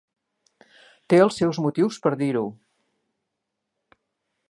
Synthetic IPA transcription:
t̪eəlˠsːɛwzmut̪iwspəɾðiɾu

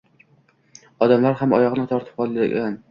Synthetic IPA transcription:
ɒd̪amlaɾhamɒjɒʁnɪt̪ʰɒɾt̪ʰɪp̚ɒlˠɪ̰ɡʲan

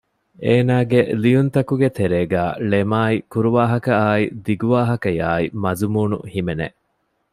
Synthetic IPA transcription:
eːnaːɡelijunt̪ɐkuɡet̪eɾeːɡæːlemaːikuɾuʋaːɦɐkɐaːid̪iɡuʋaːɦɐkɐjaːimɐzumuːnṵhimenḛʔ

